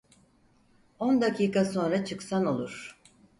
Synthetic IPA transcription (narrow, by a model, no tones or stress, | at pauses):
o̞nd̪akʰiːkaso̞nɾat͡ʃʰɯksano̞lˠuɾ̥